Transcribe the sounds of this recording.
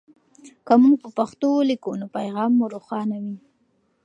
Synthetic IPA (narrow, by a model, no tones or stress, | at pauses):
kamuŋɡpəpaxt̪olikonopajɣɑmːuɾoxɑnawi